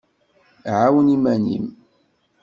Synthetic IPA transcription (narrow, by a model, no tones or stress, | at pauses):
ʕawənimænḭm